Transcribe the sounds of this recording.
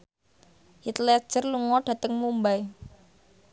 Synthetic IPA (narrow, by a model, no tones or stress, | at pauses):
hit̪lɛ̥ʒ̥ərluŋɔɖ̥a̤t̪əŋmumbaj